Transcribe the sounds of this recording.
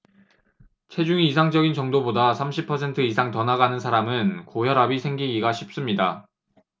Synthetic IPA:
t͡ɕʰe̞d͡ʑuŋiːsʰaŋd͡ʑʌɡint͡ɕʌŋdobodasʰamɕʰipʰʌsʰe̞ntʰɯisʰaŋtʌnaɡanɯnsʰaɾamɯnkojʌɾabisʰe̞ŋɡiɡiɡaɕʰip̚s͈ɯmɲida

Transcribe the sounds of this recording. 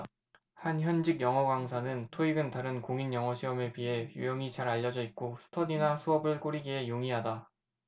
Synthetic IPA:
hançjʌnd͡ʑiɡjʌŋʌɡaŋsʰanɯntʰoiɡɯntaɾɯnkoŋinjʌŋʌɕʰiʌme̞piɦe̞jujʌŋit͡ɕaɾaʎːʌd͡ʑʌik̚k͈osʰɯ̥tʰʌninasʰuʌbɯɭk͈oɾiɡiɦe̞joŋiɦada

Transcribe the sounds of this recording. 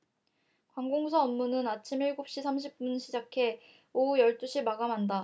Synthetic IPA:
kwaŋɡoŋus̬ʰaʌmːunɯnat͡ɕʰimiɭɡop̚ɕ͈isʰamɕʰip̚p͈unɕʰid͡ʑakʰe̞ | oujʌɭt͈uɕʰimaɡamanda

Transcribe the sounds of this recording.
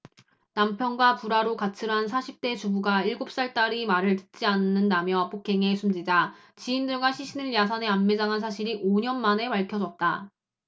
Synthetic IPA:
nampʰjʌnɡwapuɾaɾokat͡ɕʰɯɾɦans̬ʰaɕʰip̚t͈e̞t͡ɕubuɡaiɭɡop̚s͈aɭt͈aɾimaɾɯɭtɯt̚t͡ɕ͈ianːɯndamjʌpʰok͈ʰe̞ŋe̞sʰumd͡ʑid͡ʑa | t͡ɕiːndɯɭɡwaɕʰiɕʰinɯɭjas̬ʰʌne̞anme̞d͡ʑaŋɦans̬ʰaɕʰiɾiʔoɲʌnmane̞paɭkʰjʌd͡ʑʌt̚t͈a

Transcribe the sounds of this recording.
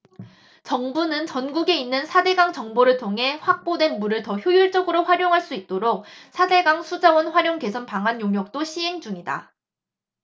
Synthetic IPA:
t͡ɕʌŋbunɯnt͡ɕʌnɡuɡe̞inːɯnsʰade̞ɡaŋt͡ɕʌŋboɾɯɭtʰoŋɦe̞ɸwak̚p͈odwe̞nmuɾɯɭtʌçjojuɭt͡ɕ͈ʌɡɯɾoɸwaɾjoŋɦaɭs͈uit̚t͈oɾok̚sʰade̞ɡaŋsʰud͡ʑawʌnɸwaɾjoŋke̞sʰʌnpaŋɦanjoŋjʌk̚t͈oɕʰiɦe̞ŋd͡ʑuŋida̰

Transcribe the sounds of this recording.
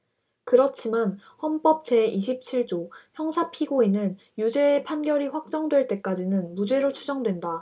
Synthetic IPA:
kɯɾʌt͡ɕʰiman | hʌnp͈ʌp̚t͡ɕe̞iɕʰip̚t͡ɕʰiɭt͡ɕ͈oçjʌŋsʰapʰiɡoinɯn | jud͡ʑe̞ːpʰanɡjʌɾiɸwak̚t͡ɕ͈ʌŋdwe̞ɭt͈e̞k͈ad͡ʑinɯnmud͡ʑe̞ɾot͡ɕʰud͡ʑʌŋdwe̞nda

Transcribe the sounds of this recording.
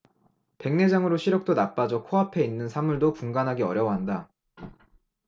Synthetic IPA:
pe̞ŋne̞d͡ʑaŋɯɾoɕʰiɾjʌk̚t͈onap͈ad͡ʑʌkʰoɦapʰe̞inːɯnsʰamuɭdopuŋɡanɦaɡeʌɾjʌwʌɦanda

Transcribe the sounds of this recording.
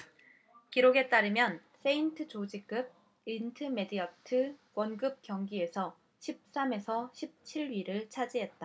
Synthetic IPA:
kiɾoɡe̞t͈aɾɯmjʌns͈ʰe̞intʰɯt͡ɕod͡ʑik͈ɯb̚ | intʰɯme̞diatʰɯwʌnɡɯp̚kjʌŋɡie̞sʰʌ | ɕʰip̚s͈ame̞sʰʌɕʰip̚t͡ɕʰiɭɥiɾɯɭt͡ɕʰad͡ʑiɦe̞t̚t͈a

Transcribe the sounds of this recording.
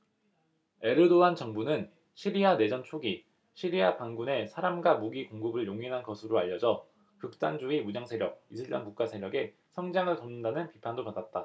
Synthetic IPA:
e̞ɾɯdoant͡ɕʌŋbunɯn | ɕʰiɾiane̞d͡ʑʌnt͡ɕʰoɡi | ɕʰiɾiapaŋɡune̞sʰaɾamɡwamuɡikoŋɡɯbɯɭjoŋiɦanɡʌsʰɯɾoaʎːʌd͡ʑʌ | kɯk̚t͈and͡ʑuimud͡ʑaŋsʰe̞ɾjʌk̚isʰɯɭt͡ɕ͈ʌ̰nkuk͈̚asʰe̞ɾjʌɡe̞ | sʰʌŋd͡ʑaŋɯɭtʌmnɯndanɯnpipʰandopadat̚t͈a

